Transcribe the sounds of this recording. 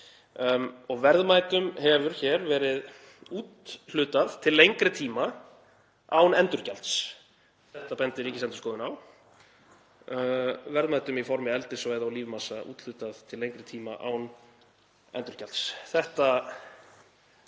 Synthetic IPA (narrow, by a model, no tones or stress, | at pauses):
ɔɣvɛɾðmajt̪ʏmhɛvʏɾ̥çɛɾvɛːɾɪð | uːt̪l̥ʏːt̪aðt̪ʰɪlːejŋkɾɪt̪ʰiːma | awnɛnt̪ʏɾ̥calt̪s | θɛht̪apɛnt̪ɪɾiːcɪsɛnt̪ʏ̥skɔːðʏnaw | vɛɾðmaːjt̪ʏmifɔɾmɪɛlt̪ɪsvajðawliːvmasaṵːt̪l̥ʏt̪aðt̪ʰɪlejŋkɾɪt̪ʰiːma̰ʔa̰wn | ɛ̰nt̪ʏɾ̥calt̪sθɛht̪a